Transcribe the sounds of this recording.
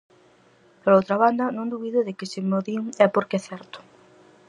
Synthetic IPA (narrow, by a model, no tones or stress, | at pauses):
pɾowt̪ɾɐβand̪ɐnõŋd̪uβiðʊðɪkɪsɪmoðiŋɛpoɾkɛθɛɾt̪ʊ̥